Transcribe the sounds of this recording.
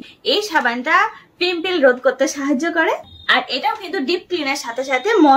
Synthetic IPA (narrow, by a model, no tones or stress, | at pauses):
ejʃabanʈafimpilɾod̪̚ʱkoɾt̪ːeʃaɦad͡ʑːokɔɾeaɾʔeʈaokint̪uɖip̚klineɾʃat̪ʰeʃat̪ʰemɔ